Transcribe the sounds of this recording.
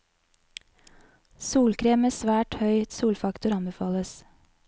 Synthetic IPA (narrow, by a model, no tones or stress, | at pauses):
suːlkʰɾeːməsʋæːʈhœʏsuːlfɑkt̪ʊɾɑnbɛfɑːləs